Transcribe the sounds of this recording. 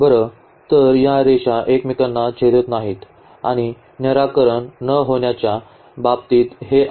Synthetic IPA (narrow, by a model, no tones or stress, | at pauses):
bʱəɾə | t̪əɾjaɾeɕaʔekmikənːat͡ɕʰeɾət̪naɦiːt̪ | a̰ɽ̃i | njəɾakəɾəɳːəɦoɳjat͡ɕja | bab̚t̪iːt̪ɦeʔ